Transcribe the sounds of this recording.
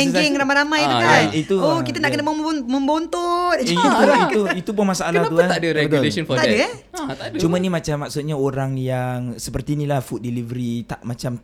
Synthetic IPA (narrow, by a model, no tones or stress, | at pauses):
ɛŋɛŋramaɾamajiukait̪uohkit̪anaʔkənamə̃mmə̃mbont̪ut̪t̪uit̪uit̪up̬ʊnmasaalkəahat̪uat̪adəɾɛəɡ̪lesɔnfɔadət̪adət͡ʃumanimat͡ʃamːak̚sʊt̪̚ɲaoɾaŋjaŋsəpərt̪iːnilahfut̪̚dilivəɾit̪aʔmat͡ʃam